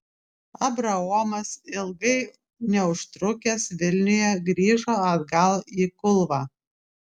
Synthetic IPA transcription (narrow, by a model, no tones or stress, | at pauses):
ɐbɾɐɔmɐsɪlˠɡɐɪ | nʲɛʊʃt̪ɾʊkʲɛsʋʲɪlʲnʲʊjɛɡɾʲiːʒoːɐd̪ɡɐlˠiːkʊlˠʋɑː